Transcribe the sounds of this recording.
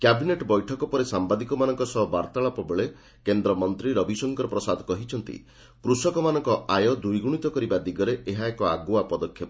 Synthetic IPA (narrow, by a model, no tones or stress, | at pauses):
kjabineʈbɔjʈʰɔkɔpɔɾesambad̪ikɔmanɔŋkɔsɔbaɾt̪aɭapɔbeɭe | kend̪ɾɔmɔnt̪ɾiɾɔbʱisɔŋkɔɾɔpɾɔsad̪ʱɔkɔɦit͡ʃʰɔnt̪ḭ | kɾusɔkɔmanɔŋkɔʔajɔd̪ujɡuɽ̃it̪ɔkɔɾibad̪iɡɔɾeʔeɦaekɔaɡuapɔd̪ɔkʰːjɔp